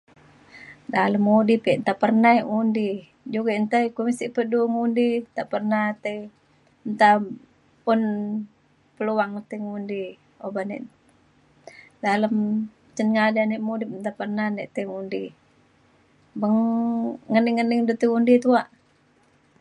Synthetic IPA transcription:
daləmːudipiʔnt̪apərnaiʔŋundi | d͡ʒuɡaʔnt̪aikumisiʔpəduŋundit̪aʔpərnat̪e | nt̪a | pun | pəluaŋt̪eŋundi | obanɛ̰ʔ | daləm | t͡ʃənŋadaneʔmudip̚nt̪apərnanɛʔt̪eŋundi | bəŋŋəniŋːəniŋdut̪eundit̪uaʔ

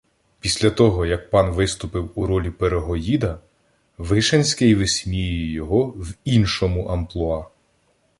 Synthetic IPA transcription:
pʲisʲlʲɐt̪ɔɦɔjɐk̚pɑnʋɪst̪ʊpɪwuɾɔlʲipeɾeɦɔjid̪ɐ | ʋɪʃɐnʲsʲkɪjʋesʲmʲijɛjɔɦɔwinʃɔmʊʔɐmplˠʊɑ

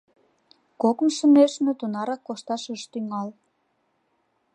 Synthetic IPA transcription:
kokmʃə̆meʃmĕt̪unɑɾɑkːoʃt̪ɑʃəʃt̪yŋɑl

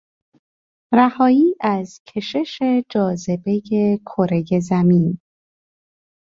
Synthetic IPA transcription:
ɾæhɒːiːʔæzcʰe̞ʃe̞ʃe̞d͡ʒɒːze̞be̞je̞kʰoɾe̞je̞zæmin

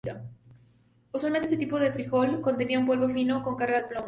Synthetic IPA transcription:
a | oswalment̪es̬et̪ipoðefɾixolko̞nt̪e̞niaumpwolβofinoko̞ŋkaɾɣaðeplom

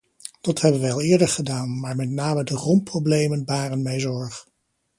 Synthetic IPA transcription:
d̥ɑthɛbənʋəɑlˠɪːɹdəɹχədaːnmaːɹmɛtnaːmədərɔmprowblejmənʋaːrənmɛjzɔɹχ

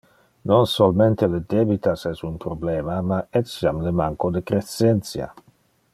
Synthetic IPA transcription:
nõnsolment̪eled̪ebit̪asɛsunpɾobleːmamaesjamlemaŋkod̪ekɾesent̪sja̰

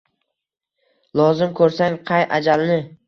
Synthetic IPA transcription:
lˠɒzɪmkʰɵɾsaŋqʰɑjʔad͡ʒalnɪ

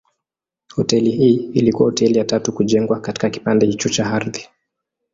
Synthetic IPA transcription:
hɔtɛliɦiːilikuwahɔtɛlijatatukuʄɛŋɡwakati̥kaki̥pandɛhit͡ʃut͡ʃaaɾði

